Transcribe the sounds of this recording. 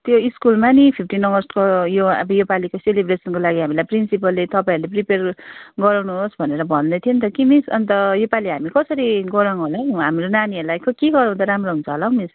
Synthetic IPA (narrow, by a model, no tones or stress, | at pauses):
t̪joiskulmanipʰip̚ʰʈinːʌɡʌrskojoʌ̰bʌjopalikoselibresʌnkolaɡiɦamilajprinsipʌlːet̪ʌpaĩɾulepriperɡʌɾaw̃nuɦosbʱʌneɾʌbʱʌnd̪ʌt̪ʰiont̪ʌkimisʌnt̪ʌjopaliɦamikʌsʌɾiɡʌɾaŋɦolaw̃ɦamɾonaniʌlajkʌkeɡʌɾãũnt̪ʌɾamroɦunt͡sʰʌːlaw̃mis